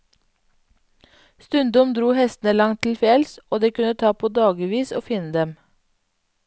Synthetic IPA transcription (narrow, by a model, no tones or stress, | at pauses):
st̪ʉnd̪ɔmd̪ɾuːhɛst̪n̩əlɑŋt̪ʰl̩fjɛlsʔoːd̪eːkʉnət̪ʰɑːpʰoːd̪ɑːɡɪʋiːso̰ːfɪnəd̪ɛm